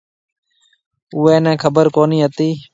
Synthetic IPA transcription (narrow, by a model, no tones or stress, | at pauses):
ʊːɛːnɛ̃ːkʰəbəɾkoːniːɦət̪iː